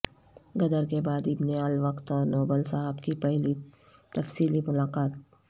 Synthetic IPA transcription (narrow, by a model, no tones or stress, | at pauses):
ɡɐd̪əɾkebaːd̪ɪbneaːlʋɐqt̪ɔːɾnoːbəlsaɦəbkipɛɦli | t̪ɐfsiːlimʊlaːqaːt̪̚